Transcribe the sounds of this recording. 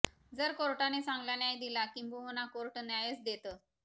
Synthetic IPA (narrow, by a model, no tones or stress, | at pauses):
d͡zəɾkoɾʈanesãŋɡlanjajd̪ilakĩmbuɦonakoɾʈnjajət͡sd̪et̪ə